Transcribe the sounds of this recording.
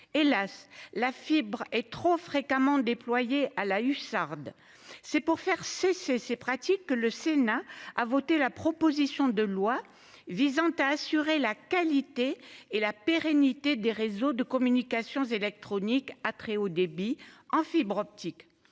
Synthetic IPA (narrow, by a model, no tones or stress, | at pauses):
elaslafibʁɛt̪χofχekamɑ̃d̪eplwajealaysaʁd̪ | sɛpuʁfɛʁsesesepχat̪ikːələsenaavot̪elapχɔpozisjɔ̃d̪əlwa | vizɑ̃t̪aːsyʁelakalit̪eːlapeʁenit̪ed̪eʁezod̪əkɔmynikasjɔ̃zelɛk̚t̪χɔnikat̪χeod̪ebiɑ̃fibʁɔp̚t̪ik